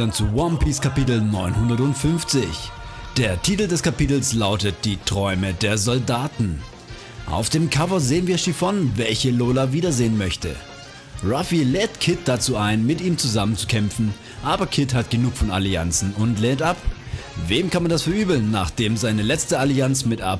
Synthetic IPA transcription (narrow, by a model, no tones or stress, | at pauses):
ant͡suwɔmpiskʰapitl̩nɔʏnhʊndɐtʊntfʏnft͡sɪçd̥eːɐtʰiːtl̩dɛskʰapiːtl̩slaʊtət̚d̥iːtʁ̥ɔʏmədeːɐzɔldaːtn̩ | ʔa̰ʊfd̥eːmkʰavɐzeːənviːɐʃifɔnvɛlçəloːlaviːdɐzeːənmœçtə̰ | ʁafilɛːtkʰɪt̚d̥at͡suːaɪnmɪtʔiːmt͡suzamənt͡su̥kʰɛmfn̩ | ʔaːbɐkʰɪthatɡ̥ənuːkfɔna̰lia̰nt͡sn̩ʊntlɛːntʔapveːmkanmandasfɛɐʔyːbl̩nːa̰ːχd̥eːmzaɪnəlɛt͡stəaliant͡smɪtʔa̰p